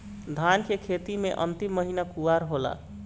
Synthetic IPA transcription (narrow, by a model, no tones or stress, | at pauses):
d̪ʱankekʰet̪imeʔə̰nt̪imːəɦinakuʋaɾɦola̰